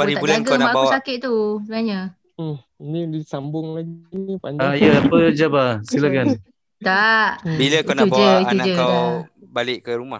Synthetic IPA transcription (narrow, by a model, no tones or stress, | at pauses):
paɾiabulaɡanamaabauwsakɪʔ̚t̪usənaɲa | nidisambʊŋlaɡinipaɲd͡ʒaaiəapəd͡ʒabasilakan | t̪aʔbiləkkanaubad͡ʒəit̪unad͡ʒəaw | balɪʔkəɾumah